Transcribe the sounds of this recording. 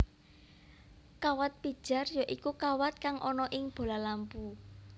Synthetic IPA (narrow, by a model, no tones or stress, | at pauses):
kawat̪̚pid̥ʒ̥a̤rjaʔikukawat̪̚kaŋʔɔnɔʔɪŋb̥o̤lalampu